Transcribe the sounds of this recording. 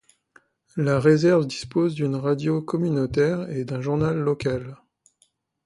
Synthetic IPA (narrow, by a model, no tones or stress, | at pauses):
laʁezɛʁvd̪ispozd̪ynʁad̪jokɔmynot̪ɛʁed̪ɛ̃ʒuʁnalːɔkal